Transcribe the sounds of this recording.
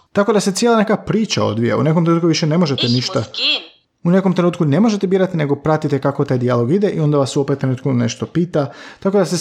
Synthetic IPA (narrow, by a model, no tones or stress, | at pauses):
t̪ako̞d̪ase̞t̪sjelˠane̞kapɾiːt͡ʃa̰o̰d̪ʋija̰ṵne̞komt̪ɾenuːt̪kuʋiʃene̞mo̞ʒe̞t̪eniʃt̪a | une̞komt̪ɾenuːt̪kune̞mo̞ʒet̪ebiːɾat̪ine̞ɡo̞pɾat̪it̪ekakot̪ajd̪ialo̞ɡid̪eʔio̞nd̪aʋasuopet̪t̪ɾenuːt̪kune̞ʃt̪o̞piːt̪at̪ako̞d̪ase